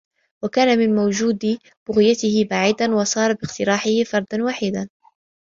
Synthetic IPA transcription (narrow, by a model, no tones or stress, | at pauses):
wakaːnamɪnmawd͡ʒuːd̪ | b̥ʊɣɪjat̪ɪhɪbaʕiːd̪anwɑsˤɑːɾˤɑbɪqt̪ɪɾaːħɪhɪfɑɾˤd̪ɑnwaːħiːd̪an